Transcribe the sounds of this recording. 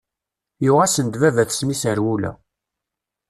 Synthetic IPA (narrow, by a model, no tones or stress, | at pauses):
juʁæsənd̪vævæθsmisəɾwulæ̰